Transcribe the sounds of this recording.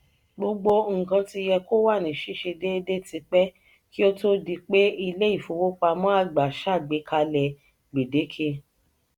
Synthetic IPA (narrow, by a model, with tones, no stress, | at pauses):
ɡ͡bo˧ɡ͡bo˧ŋ̩˨kã˧ti˧jɛ˧ko˦wa˦˨nĩ˨ʃi˦ʃe˧de˦de˦ti˧k͡pɛ˦ | ki˦o˦to˦di˧k͡pe˦i˧le˦i˦˨fo˧˨wo˦k͡pa˧mɔ̃˦a˦˨ɡ͡ba˨ʃa˦˨ɡ͡be˨˧˦kʰa˧lɛ˧ | ɡ͡be˨de˨˦kʰe˧